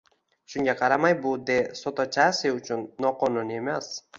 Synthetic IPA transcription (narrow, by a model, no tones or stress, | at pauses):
ʃʊŋɡʲaqʰɑɾamajbʊd̪esot̪ʰat͡ʃʰasɪʊt͡ʃʰʊnːɒqʰɒnʊniemas